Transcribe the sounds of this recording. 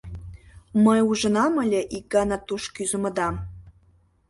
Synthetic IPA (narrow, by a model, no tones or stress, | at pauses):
məjuʒə̆nɑməlʲeʔikːɑnɑt̪uʃkyzə̆mə̆d̪ɑm